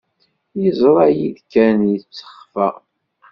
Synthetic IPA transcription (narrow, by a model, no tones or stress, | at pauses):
jizˤɾˤɑjiðkːænjit͡sːə̥χfæ